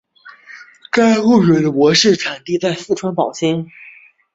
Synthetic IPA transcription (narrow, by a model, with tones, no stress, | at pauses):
ka˥ɪu˥˩ɕwɛ˨˩ɪd̪ə˦wwɔ˧˥ʂɻ̩˥˩ʈ͡ʂʰa˨˩nt̪i˥˧t͡sa˥˧ɪsɹ̩˥˩ʈ͡ʂʰwa˥npɑ˨˩ʊɕi˥ŋ